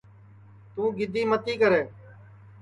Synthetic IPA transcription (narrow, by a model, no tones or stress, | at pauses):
t̪ũːɡɪd̪ʱiːmət̪iːkəɾeː